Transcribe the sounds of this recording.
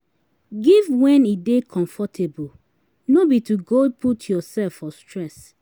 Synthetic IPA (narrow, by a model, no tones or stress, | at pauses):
ɡivwɛ̃nidekʰɔ̃ɱfɔtʰebul | nobituɡod̚pʰutʰjɔsɛlfɔstɹɛs